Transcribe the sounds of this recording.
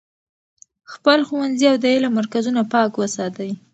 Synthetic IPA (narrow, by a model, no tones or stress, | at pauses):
xpəlxuwanziawd̪əelamaɾkazunapɑkwəsɑt̪awi